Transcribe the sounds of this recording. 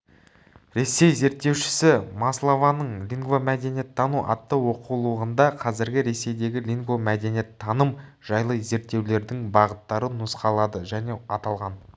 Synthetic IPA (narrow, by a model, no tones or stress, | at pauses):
ɾe̞se̞jze̞ɾt̪ːe̞wʃɪ̥sɪmɑslˠovɑnəɴlʲiŋɡvomæd̪e̞njet̪ʰːɑnuʔɑ̰t̪ːəwo̞qulˠuʁənd̪ɑqʰɑzɪɾɡʲɪɾe̞se̞jd̪e̞ɡʲɪlʲiŋɡvomæd̪e̞nje̞t̪ʰːɑnəm | ʒ̥ɑjlˠəze̞ɾt̪ːe̞wle̞ɾd̪ɪŋbɑʁət̪ːɑɾənʊsqɑlˠɑd̪əʒæne̞ɑt̪ɑlˠʁɑn